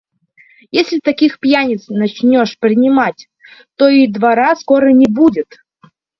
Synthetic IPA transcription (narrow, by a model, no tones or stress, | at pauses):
jesʲlʲɪt̪ɐkʲixpjanʲɪt̪snɐt͡ɕnʲoʂpɾʲɪnʲɪmatʲ | t̪oid̪vaɾaskoɾənʲɪbudʲɪt̪